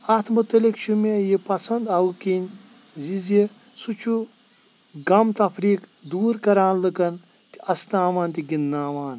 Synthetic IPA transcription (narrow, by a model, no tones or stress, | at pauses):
ɐt̪ʰmut̪ːɐlikʃumejipɐsɐnd̪ɐwkinʲ | zizi | sut͡ʃʰu | ɡɐmt̪ɐpʰɾiːkd̪uːɾkɐɾaːnlɨkɐn | t̪i̥ɐsnaːʋaːnt̪iɡinːaːʋaːn